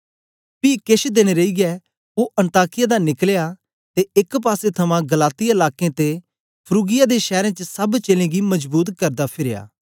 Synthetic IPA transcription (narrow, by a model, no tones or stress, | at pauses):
piːkeʃd̪eːñeɾɐiɡɛ | oʔɐ̃nt̪aːkɪjad̪anɪkleja | t̪eɪkp̬aːset̪ʰɐmãɡɐlaːt̪iaɪlaːkẽt̪e | pʰɾuːɡɪjad̪eʃɛːɾẽt͡ʃəsɐbt͡ʃeːlẽɡimɐd͡ʒbuːt̪kɐɾd̪apʰɪɾeja̰ː